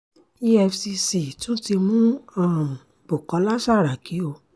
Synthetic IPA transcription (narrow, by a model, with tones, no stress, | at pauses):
i˦ɛ˧fsi˧si˨tũ˨˦ti˧mũ˦ã˦˨ | bo˨kɔ̃˨˦la˦sa˦˨ɾa˨kʰi˨˦o˧˨